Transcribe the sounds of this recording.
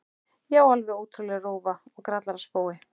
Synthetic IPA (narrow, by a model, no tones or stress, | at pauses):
jɛwalvɪowt̪ʰɾʏlɛɣroːwvaɔɣkɾat̪laɾḁspoːwɪ